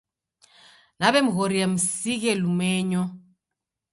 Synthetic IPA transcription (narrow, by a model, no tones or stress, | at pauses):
naβɛmuɣoɾijam̩siɣ̬ɛlumɛːɲɔ